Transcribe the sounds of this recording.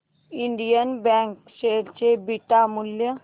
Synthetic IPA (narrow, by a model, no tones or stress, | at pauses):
ɪ̃ɳɖijənbɛ̃ːŋkseːlt͡ʃebiʈamʊljə